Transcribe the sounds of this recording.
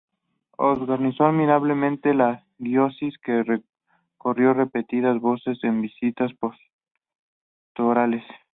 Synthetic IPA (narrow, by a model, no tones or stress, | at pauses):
o̰zɣanisoaðmiɾaβle̞mẽ̞nt̪e̞la | ɡjosiskere | ko̞rjo̞re̞pe̞t̪iðazβo̞se̞se̞mbisit̪aspos | t̪oɾale̞s